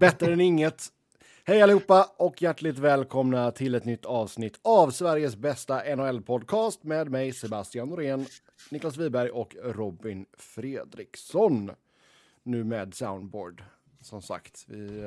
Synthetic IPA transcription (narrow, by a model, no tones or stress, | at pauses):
bɛt̪ːɾəɛnɪŋːət̪ | hɛjalɪhuːpːaɔkjæʈːɭɪt̪vɛːlkʰɔmnat̪ʰɪlɛt̪nʏt̪ʰːɑːvsnɪt̪ʰːavsvæɾjəsbɛst̪aʔɛnʊɛlpʰɔd̪̚kʰɑːst̪meːd̪mɛjsɛbast̪ɪanʊɾeːn | nɪklas̬viːbæɾjʔɔkɾɔbɪnfɾeːd̪ɾɪksɔnː | ʉ̟ːmɛːd̪sa̰ʊnd̪bo̰ːɖ | sɔmsa̰kt̪vɪ̰